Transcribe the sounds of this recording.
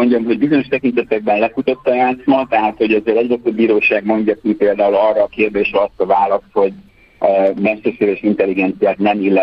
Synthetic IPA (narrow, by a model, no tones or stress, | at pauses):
oɲɟɒmɦo̞ɟbizo̞ɲo̞ʃt̪ɛkint̪ɛt̪ɛɡ̚bɛnlɛkut̪ot̪ːɒjaːt̪smɒt̪ɛɦaːt̪ho̞ɟɛzeːɾɛɟrɛt̪øbːiːɾoːʃaːɡmo̞ɲɟɒkipeːld̪aːulɒrːɒːkeːrd̪eːʃɾɛɒst̪ɒvaːlɒst̪ho̞ɟ | mɛʃt̪ørʃeːɾeːʃint̪ɛlːiɡɛnt̪sijaːt̪nɛmilːɛ